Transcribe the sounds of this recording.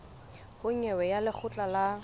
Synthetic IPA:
hʊŋɛwɛjalɪk͡xʰʊt͡ɬʼala

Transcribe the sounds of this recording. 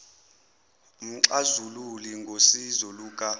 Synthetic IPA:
m̩ǀazululiŋɡʱosizɔluːkʼa

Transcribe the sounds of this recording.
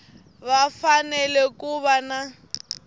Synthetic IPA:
βafanɛlɛkuβana

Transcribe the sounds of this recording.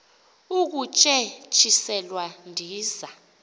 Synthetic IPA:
uk̬ut͡ʃʼɛt͡ʃʰʼisɛlwandʱiːza

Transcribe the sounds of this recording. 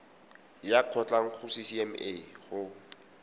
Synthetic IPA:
jaq͡χʰɔt͡ɬʼaŋ̩χʊsisiɛmeχʊ

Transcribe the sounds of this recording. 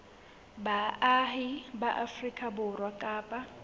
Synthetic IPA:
baɦibaʔafrikʼabʊrwakʼaːpʼa

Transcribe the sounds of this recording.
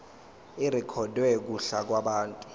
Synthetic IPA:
irikʰɔdwɛk̬uɬak̬waɓaːntʼu̥

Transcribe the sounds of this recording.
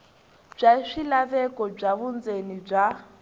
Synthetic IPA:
b͡ʐaʂilaβɛkʼɔb͡ʐaβund͡zenib͡ʐa

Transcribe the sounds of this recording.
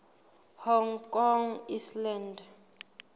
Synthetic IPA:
hɔŋkʼɔŋislɛnd

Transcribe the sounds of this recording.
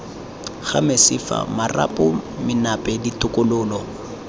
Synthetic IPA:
ɣamɪsɪfa̰mara̰pʼɔmɪnapʼɛditʼʊkʼʊlʊːlɔ

